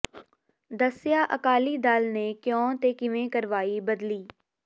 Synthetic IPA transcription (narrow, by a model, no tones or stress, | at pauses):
d̪əsjaːʔəkaːlid̪aːlnekjɔ̃ːt̪eːkɪʋẽkəɾʋaːibəd̪liː